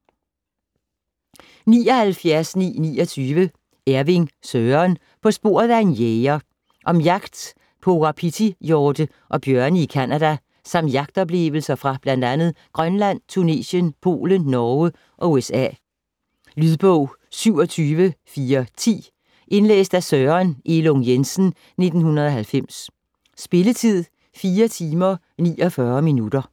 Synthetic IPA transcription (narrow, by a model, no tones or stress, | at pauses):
nḭːɒ̽hælfjæɐsnḭːnḭːɒt͡sʰyːʋə | æɐʋiŋsøːɐn | pʰɒ̽sb̥o̝̰ːɐ̰ðˠænjeɐ | ʔɒ̽mjɑ̈ɡ̥d̥ | pʰoʁɑ̈pʰit͡sʰijɒːd̥ə | ʔɒ̽b̥jɶɐnəikʰænæd̥æ | sɑ̈m̰d̥jɑ̈ɡ̥d̥ɒ̽b̥le̝̰ʋl̩sɐfʁɑ̈b̥læn̰d̥ænð̩ˠɡ̥ʁɶnlæn̰t͡sʰune̝̰ːɕənpʰo̝̰ːlənːɒːə | ʔɒ̽uesɛ̰ | lyðˠb̥ɔʊ̰ | syʊ̰ɒ̽t͡sʰyːʋəfiːɐt͡sʰḭː | ʔe̝nlḛːsd̥æsøːɐnʔe̝lɔŋjensn̩ | ne̝d̥n̩hunɐðˠɒ̽ɦælfem̰s | sb̥e̝lət͡sʰið̰ˠ | fiːɐt͡sʰiːmɐ | nḭːɒ̽fɶːɐminud̥ɐ